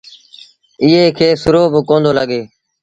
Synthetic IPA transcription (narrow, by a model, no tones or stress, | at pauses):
ɪɦeːkʰeːsʊɾoːbʱkõːnd̪oːləɠeː